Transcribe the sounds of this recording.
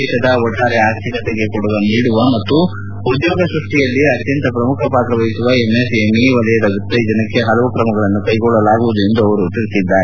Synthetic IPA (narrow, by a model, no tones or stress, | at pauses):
it̪ɐd̪ɐɔʈːaːɾeaːst̪ikɐt̪eɡe̞kuɽuʋɐniːɽuʋɐmɐt̪ːuː | d̪joːɡɐsɾuʂʈijɐlːiɐt̪jɐnt̪ɐpɾɐmukʰɐpaːt̪ɾɐʋɐɦisuʋɐemesemiʋɐlɐjɐd̪ɐɡut̪ːɐid͡ʒɐnɐkːe̞ɦɐlɐʋukɾɐmɐɡɐɭɐnːukɐjɡɔɭːɐlaːɡuʋud̪ue̞nd̪uɐʋɐɾut̪iɾisid̪ːaːɾe